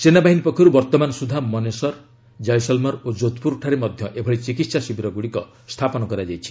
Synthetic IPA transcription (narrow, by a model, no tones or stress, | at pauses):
t͡ʃenabaɦinipɔkʰːɔɾubɔɾt̪ɔmanɔsud̪ʱamɔnesɔɾ | d͡ʒajsɔlmɔɾod͡ʒot̪puɾʈʰaɾemɔd̪ʱjɔʔebʱɔɽit͡ʃikit̪sasibʱiɾɔɡuɽikɔ | st̪ʰapɔnɔkɔɾad͡ʒajt͡ʃʰi̥